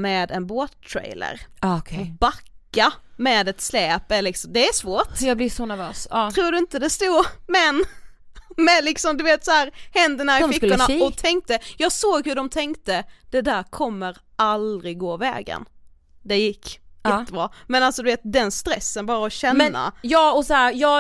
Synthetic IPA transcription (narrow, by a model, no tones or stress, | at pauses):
mɛːd̪ɛnboːt̪ʰːɾḛjlə̰ɾʰɔbakːamɛːd̪ɛt̪slɛːpɛllɪksɔmd̪ɛæʂvoːʈjɑːblɪsɔnæɾvøːsʰɾuːɖɵɪnt̪əd̪ɛst̪uːɾmɛn | mɛlɪksɔmd̪ɵveːt̪saæːɾhɛnd̪ənaːɾlɪkːəɳaɔt̪ʰɛŋk̚t̪əjɑːɡsoːɡhʉɖɔmt̪ʰɛŋkt̪əd̪̥ɛd̪æːɾkʰɔmːəɾ | ʔald̪ɾɪɡɡoːvɛ̰ːɡə̰n | d̪ɛjɪkʰːɪnəbɾɑːmɛnalsɔd̪ɵveːt̪̚d̪ɛnst̪ɾɛsːənbɑːɾaɔɕɛnnːa̰jɑːɔsaæɾjɑː